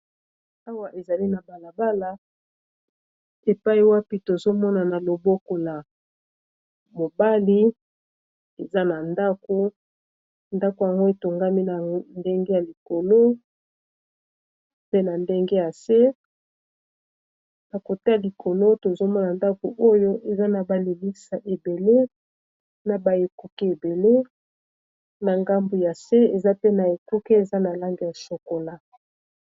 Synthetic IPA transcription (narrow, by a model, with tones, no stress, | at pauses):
a˦wa˦˨ʔe˨za˨li˦na˨ba˨la˨ba˦la˨ | e˨pa˦i˨wa˦pi˦to˨zo˦mɔ˦na˨na˨lo˨bo˦ko˨la˨ | mo˨ba˦li˦ | e˨za˦na˨nda˦ko˨ | nda˦ko˨ja˨ŋɡo˦e˨to˨ŋɡa˦mi˦na˨nde˦ŋɡe˦ja˨li˨ko˨lo˦ | pe˦na˨nde˦ŋɡe˦ja˨se˦ | na˨ko˨te˦ja˨li˨ko˨lo˦to˨zo˦mɔ˦na˨nda˦ko˨ʔo˦jo˦ʔe˨za˦na˨ba˨li˨mi˦sa˨ʔe˨be˨le˦ | na˨ba˨e˨ku˦ki˦e˨be˨le˦ | na˨ŋɡa˦mbu˨ja˨se˦e˨za˦pe˦na˨e˨ku˦ki˦e˨za˦na˨la˦ŋɡe˨ja˨so˨ko˨la˦